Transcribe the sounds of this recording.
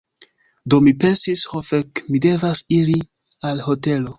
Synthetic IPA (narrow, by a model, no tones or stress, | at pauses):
do̞mipe̞nsishofekmide̞vasiɾi | alho̞te̞lo̞